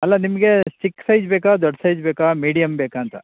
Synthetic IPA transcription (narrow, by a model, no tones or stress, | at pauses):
ɐlːɐnimɐɡet͡ʃikːsɐjd͡ʒbeːkad̪ɔɖsɐjd͡ʒbeːkaːmiːɽijɐmbeːkaːnt̪ɐ